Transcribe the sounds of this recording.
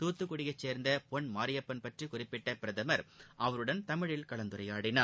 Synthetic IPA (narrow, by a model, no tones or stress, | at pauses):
t̪uːt̪ːɯkːʊɽɪjɐɪt͡ʃːeːɾnd̪ɐpɔɳmaːɾɪjɐpːɐnpɐʈrikʊrɪpːɪʈːɐpɪɾɐðɐmɐɾʔɐʋɐɾɯɽɐnt̪ɐmɪɻɪlkɐɭɐnd̪ɯɾɐjaːɽɪnaː